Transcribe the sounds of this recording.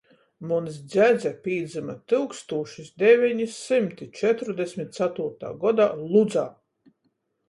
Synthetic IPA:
muns̬d̪zʲæd̪zʲɛpʲiːd̪zɨmat̪ɨlkst̪uɔʃisd̪ʲɛvʲiɲisimt̪it͡ʃɛt̪ɾd̪ɛsʲmʲit̪̚t̪sat̪uːɾt̪a̰ːɡɔd̪alˠud̪zaː

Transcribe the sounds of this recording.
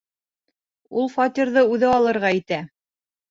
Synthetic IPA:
ulˠfɑt̪iɾðɤʉðɘɑlˠɤ̆ɾʁɑit̪æ

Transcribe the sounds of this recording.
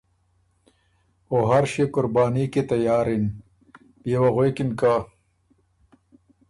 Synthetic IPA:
oɦɐɾɕekʊɾbaːniket̪ɐjaːɾin | bewɐɣwekinka

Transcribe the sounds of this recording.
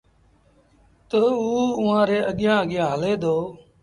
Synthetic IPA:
t̪əuːʊʋãːɾeːʔəɠɪjãːəɠɪjãːɦəleːd̪oː

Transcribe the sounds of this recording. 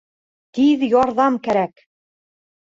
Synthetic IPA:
t̪iðjɑɾðɑmkæɾæk

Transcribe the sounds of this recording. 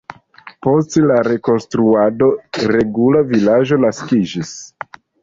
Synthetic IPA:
po̞stelaɾe̞ko̞nstɾuado̞ɾe̞ɡulavilaʒo̞laskid͡ʒis

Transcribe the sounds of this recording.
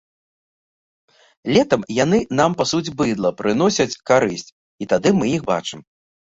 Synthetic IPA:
lʲɛt̪ɐmjan̪ɨn̪ampasud͡zʲbɨd̪lˠɐpɾɨnɔsʲɐt͡sʲkaɾɨsʲt͡sʲ | it̪ad̪ɨmɨjixba̰t͡ʂɨm

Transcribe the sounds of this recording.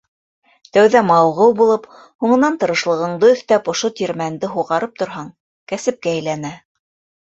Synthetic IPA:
t̪æwðæmɑlˠʁɤwbulˠɤp | huɴɤ̆nɑnt̪ɤ̆ɾɤ̆ʃlˠɤ̆ʁɤ̆ɴd̪ɤɵ̆θt̪æpŏʃot̪ʲiɾmænd̪ɘɦuʁɑɾɤp̚t̪ŏɾɦɑɴ | kæsɘ̆p̚kæːjlænæ

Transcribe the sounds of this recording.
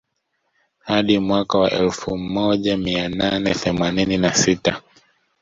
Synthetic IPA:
haɗimwakawaʔɛlfumɔʄamiananɛθɛmanininasita

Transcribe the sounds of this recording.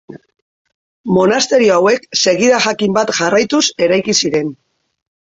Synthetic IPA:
mo̞nast̪e̞ɾioawe̞kse̞ɣiðaʝakimbat̪ʝarajt̪use̞ɾajkisiɾe̞n

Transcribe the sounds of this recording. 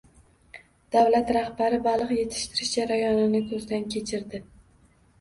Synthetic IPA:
d̪̥awlat̪ɾahbaɾɪbalˠɨqje̞t̪ʰɪ̥ʃt̪ʰɪɾɪʃd͡ʒaɾajɒnɪnɪkʰɵzd̪ankʲʰe̞t͡ʃʰɪɾd̪ɪ

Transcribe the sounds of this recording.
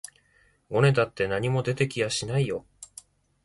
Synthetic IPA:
ɡo̞ne̞t̪at̪ːe̞naɲ̟imo̞d̪e̞t̪e̞kʲijaɕinaijo̞

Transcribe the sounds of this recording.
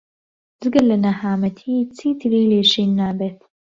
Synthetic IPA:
d͡zɨɡɐlɐnɐhaːmɐt̪ʰiːt͡sʰiːt̪ʰɨɾiːleːʃiːnːaːbeːt̪

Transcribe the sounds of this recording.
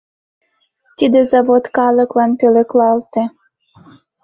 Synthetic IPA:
t̪id̪ezɑβot̪kɑləklɑnpøleklɑlt̪ĕ

